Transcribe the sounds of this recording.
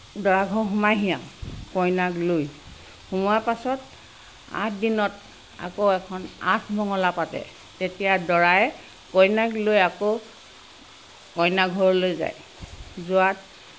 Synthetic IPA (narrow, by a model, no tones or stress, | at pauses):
dɔɹaɡʱɔɹɦumajɦijãkɔjnakloj | xumɔapasɔt | a̰tʰdinɔt | a̰koɛkʰɔna̰tʰbʱɔŋɔlapatɛ̰ | tetijadɔɹajɛ | kɔjnaklojako | kɔjnaɡʱɔɹɔlojza̰j | zʊat̚